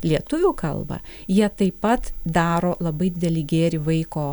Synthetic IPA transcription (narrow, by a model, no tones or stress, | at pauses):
lʲiɛt̪ʊʋʲuːkɐ̰lˠbɐ̰jiɛt̪ɐɪpɐt̪d̪ɑːɾoːlˠɐbɐɪd̪ʲɪd̪ʲɛlʲiːɡʲeːɾʲɪʋɐɪkoː